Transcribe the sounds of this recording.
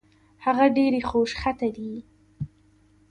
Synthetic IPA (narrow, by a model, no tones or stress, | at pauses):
haɣaɖeɾexoʃxat̪ad̪i